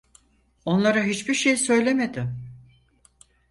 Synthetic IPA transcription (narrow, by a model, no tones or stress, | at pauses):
o̞nlˠaɾaɦit͡ʃbiɾʃe̞jsø̞jlʲe̞med̪ɪm